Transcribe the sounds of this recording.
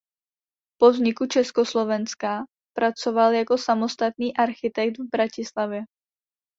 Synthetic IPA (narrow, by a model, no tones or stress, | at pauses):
povzɲɪkut͡ʃɛskoslovɛnska | pɾat͡sovaljako̞samost̪at̪̚niːʔaɾxɪt̪ɛkt̪vbɾacɪslavjɛ